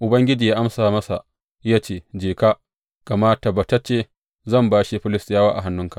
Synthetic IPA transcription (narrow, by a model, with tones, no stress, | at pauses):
ʔʊ˨bɐ˦ŋɡʲɪ˦d͡ʒiː˨jaː˦ʔa˦msaː˨mɐ˦sa˨ | jaː˦t͡ʃeː˦d͡ʒeː˨ka˦ | ka˨maː˦ta˨ba˨ta˦t͡ʃeː˦ | zɐ˦˨mbaː˦ʃi˦ɸɪ˦lɪ˨sjaː˦waː˦ʔa̰˨ɦa˨˦nːʊ˦ŋka˨ʔ